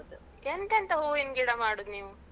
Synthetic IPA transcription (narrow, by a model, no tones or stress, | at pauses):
d̪u | end̪ɐnt̪ɐɦuːinɡiɽɐmaːɽuniːʋu